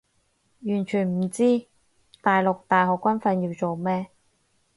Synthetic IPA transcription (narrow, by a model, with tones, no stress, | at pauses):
jyː˨˩nt͡ʃʰyː˨˩nm̩˨˩t͡siː˥ | t̪aː˨jlʊ˨k̚t̪aː˨jɦɔː˨˩kːʷɐ˥nfɐ˧njiː˧wt͡so˨wmɛː˥